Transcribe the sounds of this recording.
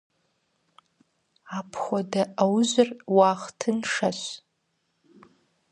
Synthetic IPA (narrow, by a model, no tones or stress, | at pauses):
apʰχʷadaawzʷɨrwaχtʰɨnʂaʃʷ